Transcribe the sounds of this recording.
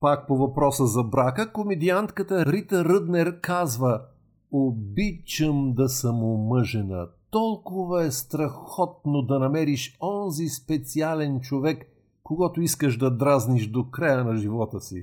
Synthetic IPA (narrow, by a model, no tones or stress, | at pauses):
pak̚povɐpɾɔsəzɐbɾakəkomɛd̪iant̪kət̪əɾit̪əɾəd̪nɛɾkazvə | obit͡ʃəmd̪ɐsɐmomɤʒɛnə̰t̪ɔlˠkʊvəɛst̪ɾɐxɔt̪̚nod̪ɐnɐmɛɾiʃɔnzispɛt̪sialɛnt͡ʃovɛkː | oɡɔt̪ʊiskəʃd̪ɐd̪ɾazniʃd̪okɾajənɐʒivɔt̪əsḭ